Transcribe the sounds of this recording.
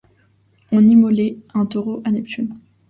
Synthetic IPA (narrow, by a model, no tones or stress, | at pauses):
ɔ̃nimɔleɛ̃t̪oʁoʔanɛpt̪ʰyn